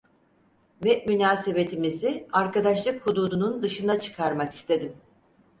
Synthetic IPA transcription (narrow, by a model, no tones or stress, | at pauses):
vɛmynaːse̞be̞t̪ʰimiziaɾkad̪aʃlˠɯkhud̪uːd̪unund̪ɯʃɯnd̪at͡ʃʰɯ̥kʰaɾmaki̥st̪ʰe̞d̪im